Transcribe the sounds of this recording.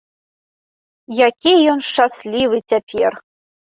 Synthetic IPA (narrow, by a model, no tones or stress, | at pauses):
jakʲijɔnʃaslʲivɨt͡sʲapʲer